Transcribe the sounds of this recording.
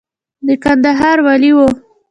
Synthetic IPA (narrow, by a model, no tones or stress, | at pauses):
d̪əkand̪aɦɑɾwaliwo